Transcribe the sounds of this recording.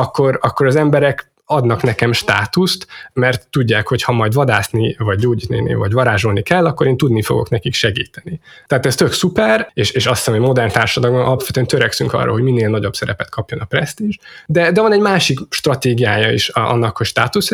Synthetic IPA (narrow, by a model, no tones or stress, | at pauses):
ɒkːo̞ɾɒkːo̞ɾɒzɛmbɛɾɛk | ɒd̪nɒknɛkɛmʃt̪a̰ːt̪ust̪mɛrt̪ːuɟːaːkho̞chɒmɒjd̪vɒd̪aːsnivɒɟɟoːɟiːt̪ninḭvɒɟvɒɾaːʒolnikɛlːɒkːo̞ɾeːnt̪ud̪nifo̞̰ɡo̞̰knɛkikʃɛɡiːt̪ɛni | t̪ɛaːt̪ɛst̪ø̞ksupɛreːʃeːʃɒsi̥sɛmomo̞d̪ɛrnt̪aːrʃɒd̪ɒlɡonʔɒ̰lɒpvɛt̪yɛnt̪øɾɛksyŋkɒ̰rːo̰hoɟminːeːlnɒɟobsɛɾɛpɛt̪kʰɒpjo̞nɒprɛst̪iʒd̪ɛd̪ɛvɒnɛɟmaːʃikʃt̪rɒt̪eːɡijaːjɒḭʃɒ̰nːɒkhocʃt̪aːt̪us